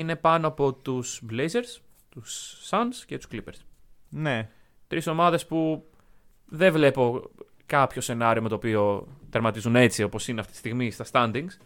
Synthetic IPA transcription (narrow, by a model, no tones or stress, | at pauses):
ine̞pɐnoɐpo̞t̪usblejze̞ɾs | t̪usːɐnsce̞t̪u̥sklipeɾsne | t̪ɾiso̞mɐðe̞spu | ðevle̞po̞ | kɐpço̞se̞nɐɾio̞me̞t̪opio̞t̪ɐɾmɐt̪izune̞t͡sio̞po̞sineɐft̪it̪ist̪iɣmist̪ɐst̪ɐnd̪iŋs